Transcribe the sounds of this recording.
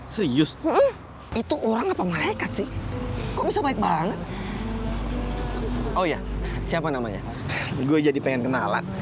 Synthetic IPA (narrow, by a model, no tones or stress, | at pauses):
səɾiʊs̩ | it̪uʔoɾaŋapamalaikat̪sɪhkobisabaɪk̚baŋət̪̚ | ojasiapanama̰ɲa̰ | ɡuɛd͡ʒadipeŋɛnkənala̰n